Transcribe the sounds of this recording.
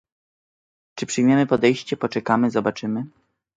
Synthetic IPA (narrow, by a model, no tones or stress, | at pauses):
t͡ʂɘpʂɘjmʲjɛmɘpɔd̪ɛjɕt͡ɕɛpɔt͡ʂɛkamɘzɔbat͡ʂɘmɘ